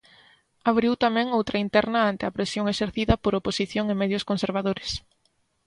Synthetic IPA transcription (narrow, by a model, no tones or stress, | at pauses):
aβɾiwt̪amɛ̃ŋowt̪ɾɐint̪ɛɾrnɐant̪eapɾesjoŋeʃeɾθiðɐpoɾoposiθjoŋɪmɛðjʊskonseɾβ̞aðoɾes